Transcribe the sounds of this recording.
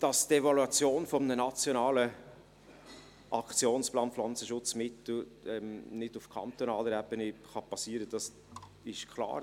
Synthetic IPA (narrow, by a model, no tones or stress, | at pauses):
d̥ɑstɛvɑluɑt͡sjoːnfɔmənənɑt͡sjonɑːlə | ʔɑkt͡sjoːnsplɑːnpflɑnt͡səʃʊt͡smɪt̪l̩ɛmnɪd̥ʊfkχɑ̰nt̪onɑːləɾɛb̥əniχɑpɑsiːəɾəd̥ɑs | ɪʃkʰlɑ̰ːɾ